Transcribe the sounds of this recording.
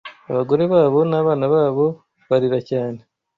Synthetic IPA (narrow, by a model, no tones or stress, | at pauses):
aβaɡo̞ɾe̞βaːβo̞naːβaːnaβaːβo̞ | βaɾiɾacaːne̞